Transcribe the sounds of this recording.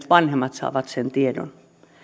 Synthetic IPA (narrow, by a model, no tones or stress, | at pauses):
t̪ʋɑnhemːɑt̪sɑ̰ːʋɑt̪sent̪iedo̰n